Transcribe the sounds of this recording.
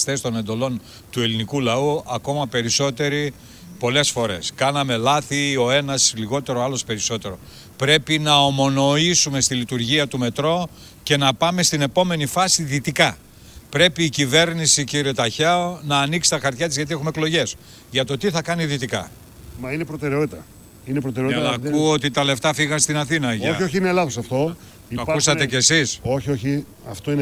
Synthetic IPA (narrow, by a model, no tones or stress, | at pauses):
st̪e̞st̪o̞ne̞nd̪o̞lo̞n | t̪ue̞linikulɐuɐko̞mɐpe̞ɾiso̞t̪e̞ɾi | po̞le̞sfo̞ɾe̞̰skɐnɐme̞lɐθio̞e̞nɐsliɣo̞t̪e̞ɾoɐlo̞spe̞ɾiso̞t̪e̞ɾo̞ | pɾe̞pinɐomo̞no̞isume̞st̪ilit̪uɾʝiɐt̪ume̞t̪ɾo̞ | ce̞nɐpɐme̞st̪ine̞po̞me̞nifɐsiðit̪ikɐ | pɾe̞piːcive̞ɾnisiciɾiet̪ɐçɐonɐːniksi̥t̪ɐxɐɾt̪çɐt̪̬izʝɐt̪̬ie̞xumeklo̞ʝe̞s | ʝɐt̪o̞t̪iθɐkɐniðit̪ikɐ̰ | mɐinepɾot̪eɾeo̞t̪it̪ɐ | inepɾot̪eɾeonkuot̪it̪ɐle̞ft̪ɐfiɣɐnst̪inɐθinɐʝoioçiinelɐθosɐft̪o̞ | ioɐkusɐt̪e̞cesisoçioçi | ɐft̪oin